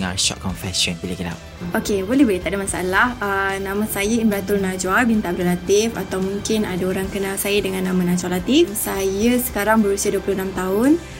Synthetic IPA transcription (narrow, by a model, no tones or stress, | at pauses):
ŋa̰ʃɔ̰t̚kɔnfɛsɔnbilakila̰ | okebolɛhbəɾit̪aʔdəmasaʔa̰lahənãmãsajəinbəɾat̪ʊlnãd͡ʒwabint̪aʔbɾalat̪ɪfa̰t̪awmũŋkɪna̰daoɾaŋkənalsajədəŋãnːãmãnãd͡ʒalat̪ifsajəsə̥kaɾaŋbəɾusiaduəpluhnamt̪aʊn